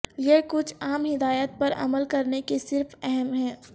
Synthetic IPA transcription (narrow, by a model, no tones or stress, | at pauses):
jekʊt͡ʃʰaːmɦɪd̪aːjət̪̚pɐɾɐ̰məlkɐɾnekesɪɾfɛɦɛmɦɛ̃ː